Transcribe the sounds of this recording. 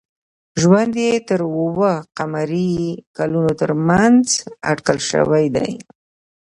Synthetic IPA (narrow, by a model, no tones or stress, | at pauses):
ʒwand̪jet̪əɾəwəqamaɾikalunot̪əɾmanza̰ʈkəlʃə̰wajd̪a̰j